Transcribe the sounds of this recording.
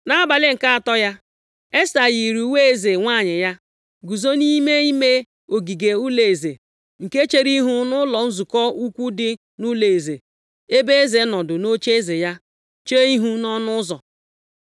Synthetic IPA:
na˦a˦ba˨lɪ˦ŋ̩˨ka˦a˨tɔ˦ja˦ | e˦sa˨ji˨ɾu˨u˦we˦e˦ze˨ŋʷa˦˨ɲɪ˨ja˦ | ɡu˨zo˦ni˦me˦i˦me˦ | o˨ɡi˨ɡe˨u˦le˨e˨ze˨ | ŋ̩˨ke˦t͡ʃe˦ɾi˦ɦu˦nʊ˦lɔ˨n̩˦zu˨kɔ˦u˦kʷu˦dɪ˦ | nu˦le˨e˨ze˨ | e˦be˦e˦ze˨˦nɔ˨dʊ˨no˦t͡ʃe˦e˦ze˨ja˦ | t͡ʃe˦i˦ɦu˦nɔ˦nʊ˦zɔ˨

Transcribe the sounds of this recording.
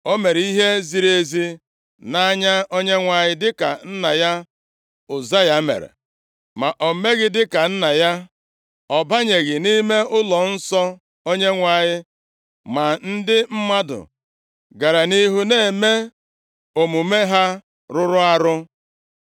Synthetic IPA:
o˦me˨ɾi˦ɦe˦zi˨ɾe˦zi˦ | na˦ɲa˦o˦ɲe˦ŋʷa˨ɲɪ˦dɪ˦ka˨n̩˦na˨ja˦ | ʊ˨za˦ja˦mḛ˨ɾḛ˨ | ma˨ʔo˨me˦ɣɪ˦dɪ˦ka˨n̩˦na˨ja˦ | ɔ˨ba˦ɲe˨ɡɪ˨ni˦me˦ʊ˦lɔ˨n̩˦sɔ˦ | o˦ɲe˦ŋʷa˨ɲɪ˦ | ma˨n̩˦dɪ˦m̩˦ma˦dʊ̰˨ | ɡa˨ɾa˨ni˦ɦu˦neː˦˨e˨me˦ | o˨mu˨me˦ɦa˦ | ɾʊ˦ɾʊ˦a˨ɾʊ˦

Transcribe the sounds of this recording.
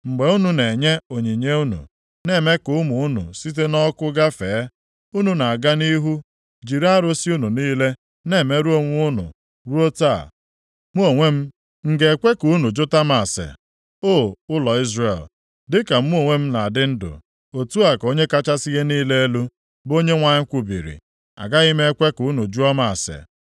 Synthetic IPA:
ŋ͡m̩˨ɡ͡be˨˦u˦nu˨ne˨ɲe˦o˨ɲi˨ɲe˦u˦nṵ˨ | ne˦˨me˦kʊ˨ʊ˦mʊ˨ʊ˦nʊ̰˨si˦t̬e˦nɔ˦kʊ˦ɡa˦feː˨e˦ | u˦nu˨na˨a˨ɡa˦ni˦ɦu˦ | d͡ʒi˨ɾa˦ɾo˦si˦u˦nu˨niː˦le˦ | ne˦˨me˦ɾu˦o˦ŋʷ˦ʊ˦nʊ̰˨ | ɾu˦o˦ta˦˨ | mu˦o˨ŋʷe˦m̩˦ | ŋ̩˦ɡe˨kʷe˦ku˨˦nu˨d͡ʒʊ˦ta˦ma˨sḛ˨ | o˦˨ʊ˦lɔ˨i˦zre˨l | dɪ˦ka˨m̩˦mu˦o˦˨ŋʷe˦m̩˦na˨dɪ˦n̩˦dʊ̰˨ | o˨tu˦a˨ko˦ɲe˦ka˦t͡ʃa˦sɪ˦ɣe˦niː˦le˦e˦lu˦ | bo˦ɲe˦ŋʷa˨ɲɪ˦kʷʊ˨bḭ˨ɾḭ˨ | a̰˨ɡa˦ɣi˦me˦kʷe˦ku˨˦nu˨d͡ʒu˦ɔ˦ma˨sḛ˨

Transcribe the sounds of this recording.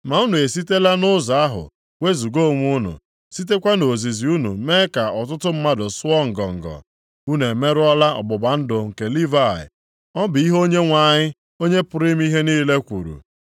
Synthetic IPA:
ma˨u˦nu˨e˨si˦te˦la˦nʊ˦za˨a˦ɦʊ̰˨ | we˦zu˨ɡo˦˨ŋʷ˦u˦nʊ̰˨ | si˦t̬e˦kʷa˦no˨zi˨zi˨u˦nṵ˨me˦ka˨ɔ˨t̬ʊ˦tʊ˦m̩˦ma˦dʊ˨sʊ˦ɔ˦ŋ̩˨ɡɔ˨ŋ̩˨ɡɔ̰˨ | u˦ne˨me˦ɾʊ˦ɔ˦la˦ɔ̰˨bʊ˨ba˨n̩˦dʊ˨ŋ̩˨ke˨li˦va˦˨ɪ̰˨ | ɔ˦bɪ˨i˦ɦo˦ɲe˦ŋʷa˨ɲɪ˦ | o˦ɲe˦pʊ˨˦ɾi˦m˦i˦ɦe˦niː˦le˦kʷṵ˨ɾṵ˨

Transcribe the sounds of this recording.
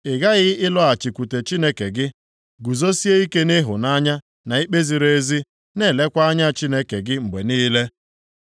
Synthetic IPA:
ɪ˨ɡa˦ɣɪ˦ɪ˦lɔ˦a˨t͡ʃi˨kʷu˨te˨t͡ʃi˦ne˦ke˨ɡɪ˦ | ɡu˨zo˦si˦e˦i˦ke˦nɪ˦ɦʊ˨na˦ɲa˦ | na˨i˦k͡pe˦zi˨ɾe˦zi˦ | ne˦˨le˦kʷa˦a˦ɲa˦t͡ʃi˦ne˦ke˨ɡɪ˦ŋ͡m̩˨ɡ͡be˨niː˦le˦

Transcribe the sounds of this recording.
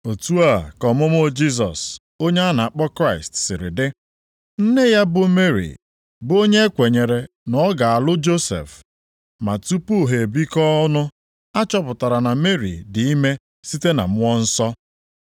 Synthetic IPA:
o˨tu˦a˦˨kɔ˨mʊ˦m˦o˦d͡ʒi˦s̬ɔ̰˨s | o˦ɲe˦a˦na˨a˨k͡pɔ˦kɾa˦˨ɪ˨stsɪ˨ɾɪ̰˨dɪ˦ | n̩˦ne˦ja˦bʊ˨me˦ɾḭ˨ | bo˦ɲe˦e˦kʷe˨ɲe˨ɾe˨ | nɔ˦ɡa˨a˨lʊ˦d͡ʒo˦sḛ˨f | ma̰˨tu˦pu˦˨ɦe˨e˨bi˦kɔ˦nʊ˦ | a˦t͡ʃɔ˦pʊ˨ta˨ɾa˨na˨me˦ɾḭ˨dɪ˨i˦me˦ | si˦te˦na̰˨m̩˦wɔ˦n̩˦sɔ˦

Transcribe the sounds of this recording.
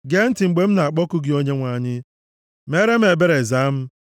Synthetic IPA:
ɡe˦n̩˦ti˨ŋ͡m̩˨ɡ͡be˨˦m̩˦na˨a˨k͡pɔ˦ku˦ɡɪ˨o˦ɲe˦ŋʷa˨ɲɪ˦ | me˦ɾe˦m̩˦e˨be˦ɾe˨za˨˦m̩˦

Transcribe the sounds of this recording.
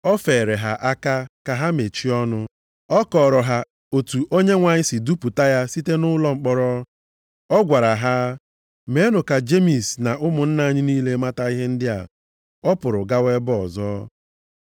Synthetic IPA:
ɔ˦fe˨ɾe˨ɦa˨ʔa˦ka˦ka˨ɦa˦me˨t͡ʃi˦ɔ˦nʊ˦ | ɔ˦kɔ˨ɾɔ˨ɦa˨ | o˨tu˨ʔo˦ɲe˦ŋʷa˨ɲɪ˦si˨du˦pu˨ta˦ja˦si˦te˦nʊ˦lɔ˦ŋ͡m̩˦k͡pɔ˦ɾɔ˦ | ɔ˦ɡʷa˨ɾa˨ɦa˦ | me˨˦nʊ˨ka˨d͡ʒe˦mi˨sna˨ʔʊ˦mʊ˨n̩˦na˦ɲɪ˦niː˦le˦ma˦ta˦i˦ɦe˦n̩˦dɪ˦a̰˨ | ɔ˦pʊ˨ɾʊ˨ɡa˦we˦bɔ˨zɔː˦

